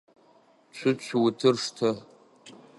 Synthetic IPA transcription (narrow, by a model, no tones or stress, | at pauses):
t͡ʃʷʰʊt͡ɕʷʰwutʰɨrʂtʰɨ